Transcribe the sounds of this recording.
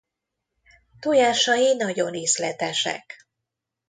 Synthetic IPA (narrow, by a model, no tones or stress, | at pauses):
t̪ujaːʃɒjinɒɟo̞neːslɛt̪ɛʃɛ̰k